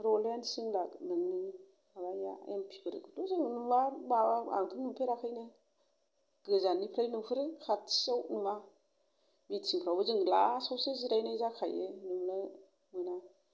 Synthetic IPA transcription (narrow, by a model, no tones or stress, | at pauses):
ɾɔleansɯŋlaknɯŋnɯ | abaja̰ḛmpʰi̥bɯɾɯ̰kɯtuzɯŋnuwabaa̰ŋpʰɯnnumpʰeɾakʰajnɯ | ɡ̥ɯzanipʰɾajnupʰɯɾɯkʰatʰi̥sawnuma | mitsiŋpʰɾawbɯzɯŋla̰sawsɯziɾajnazakʰajenuŋnɯ | mɯna